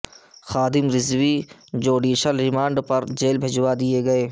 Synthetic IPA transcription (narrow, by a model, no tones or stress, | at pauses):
xaːd̪ɪmɾɪzwid͡ʒoːɖiːʃəlɾɪmãːɳɖpɐɾd͡ʒeːlbʱed͡ʒwad̪ijeɡɐeː